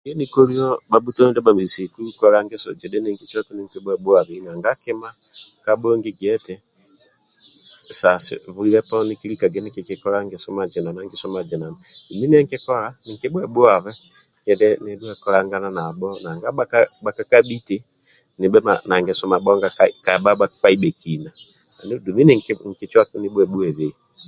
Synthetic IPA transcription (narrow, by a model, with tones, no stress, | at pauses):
ijɔ˦niko˦li˦ɔ˦ba˨bu˦tɔ˦dɛ˦ba˨mi˨si˨ku˦kɔ˦ɾa˦ŋɡɛ˦sɔ̰˨d͡ʒɛ˨dɛ˦nɛ˨ŋki˦t͡ʃi˦ɔ˦tu˦ni˨ŋki˦bwɛ˨bwa˨βɛ˨na˨ŋɡa˦kɛ˦ma˦ | kabɔ˦ŋɡi˦ɡɛ˦tɛ˨ | sa˨sɪ̰˨βu˦i˦ɾɛ˦pani˦ki˦lika˨ɡɛ˨˦niki˨kikɔɾa˦ŋɡɛsɔ˦ma˨d͡ʒɛ˨na˨na˨ŋɡɛ˨sɔ˦ma˨d͡ʒɛ˨na˨nadu˨mi˦ni˦ɛ˦ŋki˦kɔ˦la˦ni˨ŋki˦bwɛ˨ɓu˦a˨βɛ˦ | kɛ˨dɛ˦nɛdu˦ɛ˦kɔ˦la˦ŋɡa˦na˦na˨ɓɔ˦na˨ŋɡa˦ɓa˦kaɓa˨ka˦ka˦ɓi˦ti˦ | ni˨ɓɛ˦ma̰˨na˨ŋɡɛ˨sɔ˦ma˨ɓɔ˦ŋɡa˦kaka˨ɓa˦ɓa˦k͡pa˦i˦ɓɛ˨kina˨ | na˨n˦du˨mi˦ni˦ŋkŋ̩˨ki˨t͡ʃa˦ni˨ɓwɛ˨ɓu˦ɛ˨βi˨